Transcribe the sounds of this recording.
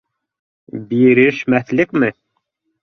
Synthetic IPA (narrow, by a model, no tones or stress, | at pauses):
biɾɘʃmæθlɘkmɘ